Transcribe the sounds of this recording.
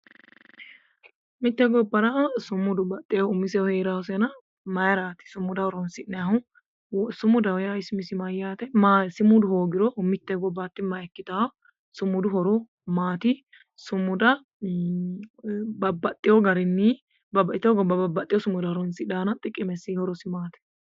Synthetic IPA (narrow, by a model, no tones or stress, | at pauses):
mɪt̪ːɛɡɔbːɐɾɐsʊmːʊd̪ʊbɐt̪ʼːɛɔʊmːɪsɛwɔheːɾawsɛnɐ | mɐjɐɾaːt̪ɪ̥sʊmːʊd̪ɐwɔɾɔnsɪʔnɛhʊ | wsʊmːʊd̪ɐwjaɪsʊmɪsɪmɐjaːt̪ɐmasɪmʊd̪ʊhoːɡɪɾɔmɪt̪ːɛɡɔbːat̪ːɪmɐjɛkːɪt̪aɔ | sʊmːʊd̪ʊɦɔɾɔ | maːt̪ɪ | sʊmːʊd̪ɐ | bɐbːɐt̪ʼːɪjɔɡɐɾɪnːi | bɐbɐʔɪt̪ːɛɔɡɔbɐbɐbːɐt̪ʼːɪjɔsʊmːʊd̪ɐhɔɾɔnsɪd̪aːnɐt̪ʼɪkʼːɪmɛsihɔɾɔsɪmaːt̪ɛ̥